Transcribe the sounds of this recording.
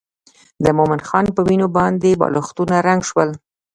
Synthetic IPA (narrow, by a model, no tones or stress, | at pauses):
d̪əmomɪnxɑnpəwinobɑnd̪ebɑ̰loxt̪unaɾaŋɡʃwəl